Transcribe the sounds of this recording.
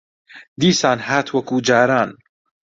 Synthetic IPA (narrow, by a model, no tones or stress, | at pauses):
d̪iːsaːnhaːt̪wɐkuːd͡ʒaːɾaːn